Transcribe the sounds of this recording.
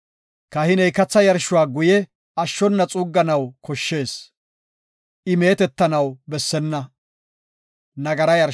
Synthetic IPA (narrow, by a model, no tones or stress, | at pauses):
kɐhɪnɛjkɐt͡sːɐjɐɾʃːʊwaːɡʊjɛ | ɐʃːɔnːɐt͡sʼuːɡːɐnɐwkɔʃːe̞ːs | ʔɪme̞ːt̪ɛt̪ːɐnɐwbɛsːɛnːɐ | nɐɡɐɾɐjɐɾ